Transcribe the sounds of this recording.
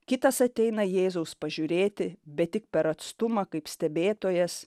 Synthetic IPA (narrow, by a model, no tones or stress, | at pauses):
kʲɪt̪ɐsɐt̪ʲɛɪnɐjeːzɐʊspɐʒʲʊɾʲeːt̪ʲɪbʲɛt̪̚t̪ʲɪk̚pʲɛɾɐt̪st̪ʊmɐkɐɪpsʲt̪ʲɛbʲeːt̪oːjɛs